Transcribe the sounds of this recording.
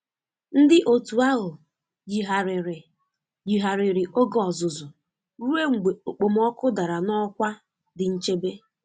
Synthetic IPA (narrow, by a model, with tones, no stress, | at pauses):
n̩˦dɪ˦ʔo˨tu˨a˦ɦʊ˨ | d͡ʒi˨ɦa˨ɾɾ | d͡ʒi˨ɦa˨ɾɪ˨ɾɪ˨ʔo˦ɡɔ˨zʊ˨zʊ˨ | ɾu˦e˦ŋ͡m̩˨ɡ͡be˨o˨k͡po˨m̩˦ɔ˦kʊ˦da˨ɾa˨nɔ˦kʷa˦ | dɪ˨n̩˦t͡ʃe˦be˦